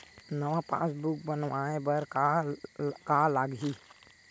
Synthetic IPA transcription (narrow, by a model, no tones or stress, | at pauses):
nəʋãpã̰ːsbuk̚bənʋaːẽbəɾka | kaːlaːɡɦi